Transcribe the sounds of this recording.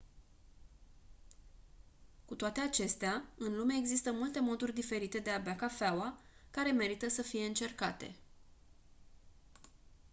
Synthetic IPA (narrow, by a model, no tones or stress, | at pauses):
kut̪oat̪e̞at͡ʃe̞st̪eaɨnlume̞eɡzist̪əmult̪e̞mo̞d̪urʲd̪ife̞ɾit̪e̞d̪e̞abakafeawakaɾe̞me̞ɾit̪əsəfije̞ɨnt͡ʃe̞rkat̪e̞̰